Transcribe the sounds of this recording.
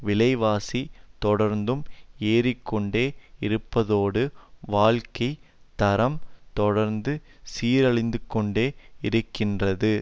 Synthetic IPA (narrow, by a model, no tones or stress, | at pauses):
ʋɪlɐɪʋaːsit̪ɔɽɐɾnd̪ɯmeːɾɪkːɔɳɖeːɪɾɯpːɐðoːɽɯʋaːɭkɐɪ | t̪ɐɾɐmt̪ɔɽɐɾnd̪ɯ | siːɾɐɭɪnd̪ɯkːɔɳɖeːɪɾɯkːɪndrɐðɯ